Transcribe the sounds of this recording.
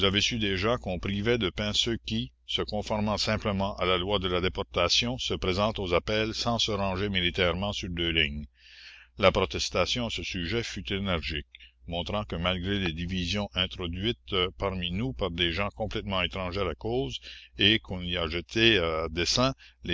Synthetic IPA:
uzavesyd̪eʒãkɔ̃pʁivɛd̪əpɛ̃søkʲi | səkɔ̃fɔʁmɑ̃sɛ̃pləmɑ̃ʔalalwad̪əlad̪epɔʁt̪asjɔ̃səpʁezɑ̃t̪ozapɛlsɑ̃səʁɑ̃ʒemilit̪ɛʁmɑ̃syʁd̪øːliɲ | lapʁɔt̪ɛst̪asjɔ̃asəsyʒɛfyt̪enɛʁʒik̚mɔ̃t̪ɾɑ̃kəmalɡʁeled̪ivizjɔ̃ʔɛ̃t̪ʁɔd̪ɥit̪paʁminupaʁd̪eʒɑ̃kɔ̃plɛt̪mɑ̃et̪ʁɑ̃ʒɛʁakoːzekʰɔ̃niaʒət̪ʰead̪esɛ̃le

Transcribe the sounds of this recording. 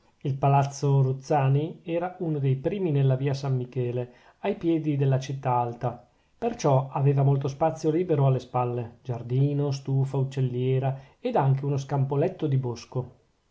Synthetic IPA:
ilpalat̪sːoɾut̪sːaːniɛːɾaunod̪ejpɾiːminelːaviːasamːikɛːle | ajpjɛːd̪id̪elːat͡ʃit̪ːaalt̪a | pert͡ʃɔaveːvamolt̪ospat̪sːjoliːbeɾoalːespalːed͡ʒard̪iːnos̬t̪uːfaut͡ʃːelːjɛːɾa | ed̪aŋk̬eunos̬kampolɛt̪ːod̪ibosko

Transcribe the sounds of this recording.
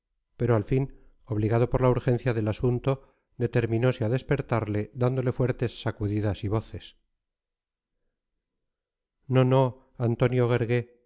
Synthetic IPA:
pe̞ɾoalfin | o̞βliɣaðo̞poɾlauɾxẽ̞n̟θjaðe̞lasunt̪o̞ | d̪e̞t̪e̞ɾmĩno̞seaðe̞spe̞ɾt̪aɾle̞d̪and̪o̞le̞fwe̞ɾt̪e̞sːakuðiðasiβo̞θes | no̞no̞ | ant̪o̞njoɣeɾɣe

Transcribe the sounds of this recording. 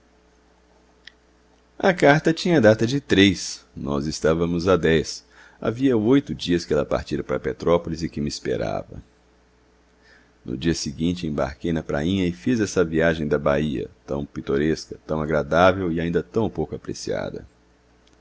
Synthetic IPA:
ɐkaɾt̪ɐt͡ʃĩɲɐd̪at̪ɐd͡ʒɪt̪ɾejsnɔ̰zɪst̪avɐmʊzad̪ɛs | a̰viɐojt̪ʊd͡ʒiɐskɪɛlɐpa̰ɾt͡ʃiɾɐpɾɐpet̪ɾɔpolɪzɪkɪmɪspḛɾa̰vɐ̰ | nʊ̰d͡ʒiɐsɪɡĩnt͡ʃɪẽba̰ɾkejnɐpɾa̰ĩɲɐɪfizɛsɐviaʒẽj̃d̪ɐbaiɐ̰t̪ɐ̰̃w̃pit̪oɾeskɐt̪ɐ̃w̃aɡɾad̪avewɪaĩnd̪ɐt̪ɐ̃w̃powkʊapɾḛsia̰d̪ɐ̰

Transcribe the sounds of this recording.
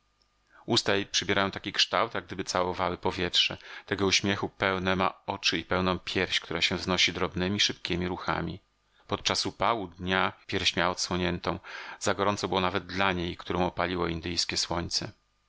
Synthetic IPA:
ust̪ajpʂɛbʲjɛɾajɔ̃w̃t̪akʲikʂt̪awt̪jaɡd̪ɘbɘt̪sawɔvawɘpɔvʲjɛtʂɛt̪ɛɡɔuɕmʲjɛxupɛwnɛma̰ɔt͡ʂɘipɛwnɔ̃w̃pʲjɛɾɕkt̪uɾaɕɛvznɔɕid̪ɾɔbnɘmʲiʂɘpkʲemʲiɾuxa̰mʲi | pɔt̪̚t͡ʂasupawud̪ɲapʲjɛɾfɕmʲjaɔt̪swɔɲɛnt̪ɔ̃w̃z̥aɡɔɾɔnt̪sɔbɘwɔnavɛd̪̚d̪laɲejkt̪uɾɔ̃w̃ɔpalʲiwɔind̪ɘjskʲɛswɔɲt̪sɛ

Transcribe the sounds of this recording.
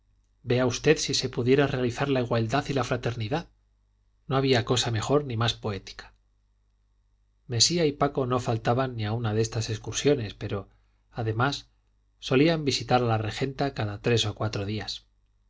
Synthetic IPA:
be̞aust̪e̞ðsise̞puðje̞ɾare̞aliθaɾlaiɣwald̪aθilafɾat̪e̞ɾniðað | no̞aβ̞iako̞same̞xo̞ɾnimaspo̞e̞t̪i̥kḁ | me̞siaipako̞no̞falt̪aβanːiaunaðe̞st̪ase̞kskuɾsjo̞ne̞spe̞ɾo̞ | aðe̞masː | o̞liambisit̪aɾalare̞xe̞nt̪akaðat̪ɾe̞so̞kwat̪ɾo̞ðias

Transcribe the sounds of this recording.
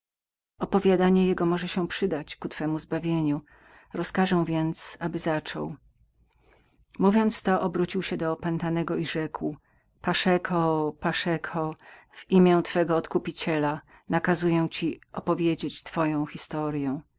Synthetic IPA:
ɔpɔvʲjad̪aɲɛjɛɡɔmɔʐɛɕɛpʂɘd̪at͡ɕkut̪fɛmuzbavʲjeɲu | ɾɔskaʐɛ̃w̃vʲjɛnt̪sabɘzat͡ʂɔ̰w | muvʲjɔnt̪st̪ɔʔɔbɾut͡ɕiwɕɛd̪ɔːpɛnt̪anɛɡɔiʐɛkw | paʂɛkʰɔpaʂɛkʰɔ | v̥imʲjɛ̃t̪fɛɡɔːt̪kupʲit͡ɕɛla | nakazujɛw̃t͡ɕiɔpɔvʲjed͡ʑet͡ɕt̪fɔjɔ̃w̃xʲist̪ɔɾjɛ̃

